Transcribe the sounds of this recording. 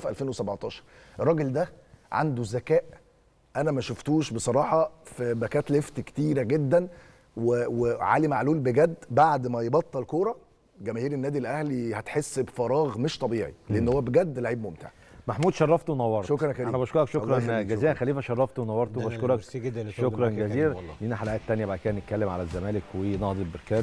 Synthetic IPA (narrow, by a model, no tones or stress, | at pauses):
fʔæ̰lfeːnwesæbʕt̪ˤɑːʃɑ̥ɾˤeɾˤːɑːɡeld̪æʕa̰nd̪uzːækæːʔ | ʔænæmæʃoft̪uːʃbesˤɑɾˤɑːħɑfbækæːt̪left̪ke̥t̪iːɾæɡed̪ːæn | weweʕa̰limaʕluːlbeɡæd̪ːbaʕd̪mæjbɑt̪ˤːɑlkoːɾˤɑ | ɡæmæhiːɾenːæːd̪ilʔæhlihæt̪ħesːbfɑɾˤɑːɣmeʃt̪ˤɑbiːʕḭleʔenːhowːæbeɡæd̪ːlaʕiːbmomt̪ɪ̰ʕ | maħmuːd̪ʃɑrˤːɑft̪wenɑwːɑɾtʃokɾˤɑnxæɾiːænæbæɑʃkoɾˤɑkʃokɾˤɑnɡæziːɾænxæliːfæʃɑrˤːɑft̪wnɑwːɑɾˤt̪owbæʃkoɾˤɑkʃʃokɾˤɑnɡæziːɾlinæħalæʔæːt̪ːænjæbakæːnːet̪̚kːælːemʕalæzːæmæːlekwenɑhd̪ˤelbeɾkæː